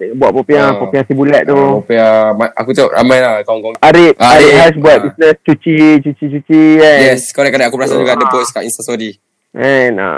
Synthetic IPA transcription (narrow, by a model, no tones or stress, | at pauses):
tŋbuaʔ̚popiapopiasibulɛʔ̚t̪uopiamaa̰kut̪oʔɾa̰majlahkɔŋkɔŋaɾit̪̚aɾiɦas̬buat̪̚bisnəst͡ʃut͡ʃit͡ʃut͡ʃit͡ʃut͡ʃiɛjɛskɔɾɛkːadaʔakubəɾasad͡ʒuɡadəposkaʔinst̪asodi | ʔɛna̰